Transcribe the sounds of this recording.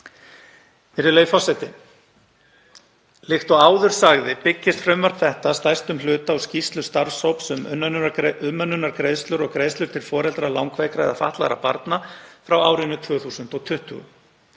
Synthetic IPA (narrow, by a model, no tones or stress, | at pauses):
ɛɾɪlœːɥfɔsɛjt̪ɪ | lɪxt̪ɔaːwðʏɾ̥saɣðɪpɪcːɪst̪fɾʏmvaɾ̥kθɛht̪ast̪ajst̪ʏmlʏːt̪aːwscist̪lʏst̪aɾsowpsʏmʏnːnʏmːœnːʏnaɾkɾejðst̪lʏɾɔɣkɾeːðst̪ʏɾ̥t̪ʰɪlfɔːɾɛlt̪ɾalawŋkveːjkɾajðafa̰ht̪la̰ɾa̰pa̰ɾt̪nafɾawaːwɾɪnːʏt̪ʰvœːɣθuːsʏnt̪ɔɣt̪ʰʏht̪ʏ̰ɣʏ̰